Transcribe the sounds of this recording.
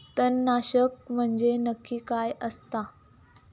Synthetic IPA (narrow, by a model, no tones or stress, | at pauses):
t̪ənːaɕək̚m̤əɳd͡ʑenəkːiːkajəst̪a